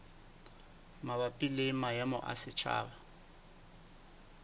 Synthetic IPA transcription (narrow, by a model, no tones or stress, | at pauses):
mabapʼilemajamʊ̰ʔa̰sɪt͡ʃʰa̰ːba